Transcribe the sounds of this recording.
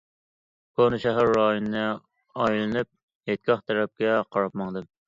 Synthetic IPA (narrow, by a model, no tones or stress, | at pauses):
konɨʃɛɦæɾːɑːjonɨnɨ | ɑjlɨnyp̚ | het̪̚ɡʲɑχt̪ʰɛɾɛp̚kʲɛqʰɑɾɑp̚mɑŋd̪ɨm